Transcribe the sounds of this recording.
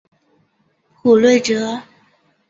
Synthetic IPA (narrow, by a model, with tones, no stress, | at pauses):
xʰu˨˩lwe˥˩ɪʈ͡ʂɤ˧˥˦